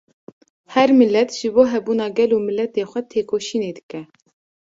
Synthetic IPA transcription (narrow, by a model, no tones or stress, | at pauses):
hɛɾmɪlːɛt̪ʒ̥ɨboːɦɛbuːnɑːɡɛluːmɪlːɛt̪eːxʷɛt̪ʰeːkoːʃiːneːd̪ɨkɛ